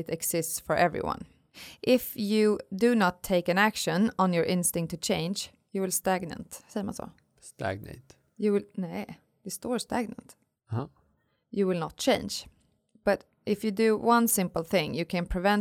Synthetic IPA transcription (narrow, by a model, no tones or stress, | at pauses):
ɪɾɛksɪstsfə˞ʔɛvɹḭwʌ̰̃n | ʔɪfjɨdɨnətʰːeɪkɨ̃nækʃə̃nə̃njə˞ʔɪ̃nstɪ̃ŋk̚tʰːɨt͡ʃʰẽɪ̃nd͡ʒ | jɨwɪlˠstæɡnə̰̃ntsɛjəmã̰nso̰ː | st̪æ̰ɡ̚nḛɪt | jɨwɪlneɪ | jɨstɔɹstæɡ̚nə̰̃nt | ha | jɨwɪlˠnət̚t͡ʃʰẽɪ̃nd͡ʒ | b̥ʌɾ | ʔɪfjɨdɨwʌ̃nsɪ̃mpəl̩ˠθɪ̃ŋjɨkʰɨ̃npʰɹ̥ɨvɛ̃n